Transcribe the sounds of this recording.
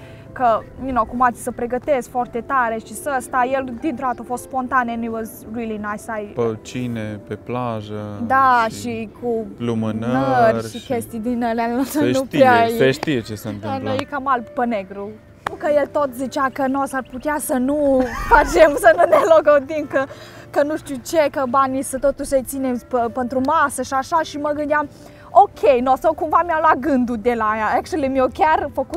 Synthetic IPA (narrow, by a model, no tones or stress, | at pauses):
kəminokumat̪sʲsəpɾe̞ɡət̪e̞skfoart̪et̪aɾe̞ʃisəst̪ajeld̪int̪ɾoat̪əafost̪spo̞nt̪aneniwoz | ɾilinajsajpət͡ʃinepeplaʒəd̪aʃikʰulumənnəərʲʃikʲest̪id̪inəlanosəeup̪eaeʃt̪ijet͡ʃesənt̪ɨanlojkamalppəneɡɾu | ukəjelt̪ot̪zit͡ʃakənosarput̪easənufat͡ʃemsənuneloɡəd̪imkə | kənuʃt̪ut͡ʃekəbanisət̪ot̪uʃʲset̪sinepəpent̪ɾumasəʃaʃaʃiməɡɨnd̪eam | okʰʲejnosawkumvamiamlwat̪̚ɡɨnd̪ud̪elajaekʃelemiokʲarfəkut̪